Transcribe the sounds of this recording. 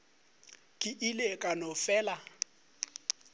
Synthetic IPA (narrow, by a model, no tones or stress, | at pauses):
kʼɪʔilekʼanɔfɛːla